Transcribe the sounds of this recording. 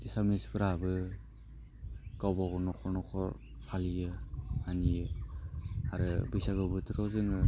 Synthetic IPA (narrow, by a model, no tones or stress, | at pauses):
isamispʰɯɾabɯ | kawbaɡɔnɔkʰɔɾnɔkʰɔɾ | pʰalijɯanijɯ | aɾɯbɯjsaɡawbɯtʰiɾɔzɯŋɯ